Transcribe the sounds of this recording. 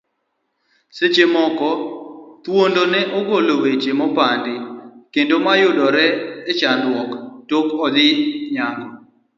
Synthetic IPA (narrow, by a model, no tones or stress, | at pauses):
set͡ʃemɔkɔt̪wondonɛʔɔɡolowet͡ʃemɔpandɪkendomajʊdɔɾɛːt͡ʃandwɔktokɔd̪ɪɲaɡɔ